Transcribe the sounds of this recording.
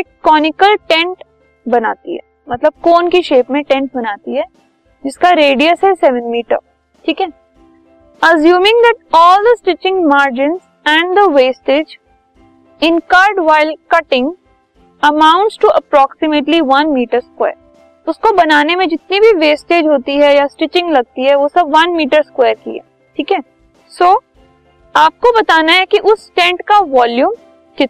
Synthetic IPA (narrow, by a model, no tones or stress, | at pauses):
ekːɔːnɪkəlʈɛ̃ɳʈ | bɐna̰ːt̪ḭɦɛ̰ | mɐt̪ləb̚koːnkiʃeːpmẽʈɛ̃ɳʈ̚bɐnaːt̪iɦɛː | d͡ʒɪskaɾeːɖiəsɦɛsɛʋə̃nmiːʈə̰ɾ | ʈʰiːkɦɛ | ɐzjuːmɪ̃ŋd̪ɛʈ̚ɔːld̪əsʈɪt͡ʃɪ̃ŋmaːɾd͡ʒɪ̃ns | ɛ̃ɳɖd̪əʋeːsʈeːd͡ʒ | ɪ̃nkaːɾɖʋaːɪlkɐʈɪ̃ŋɡ | ɐmãʊ̃ɳʈsʈuʔɐpɾɔːksɪmeʈliʋɐ̃nmiːʈəɾskwɛ̰ːɾ | ʊskobɐnaːnemẽd͡ʒɪt̪nibʱiʋeːsʈeːd͡ʒɦoːt̪iɦɛjasʈɪt͡ʃɪ̃ŋɡlɐɡ̚t̪iɦɛʋosɐbʋɐ̃nmiːʈəɾskwɛːɾkḭɛ̰ː | ʈʰiːkɛ | soː | aːp̚kobɐt̪aːnaɦɛkiʔʊsʈɛ̃ɳʈkaʋɔːljũːm | kɪt̪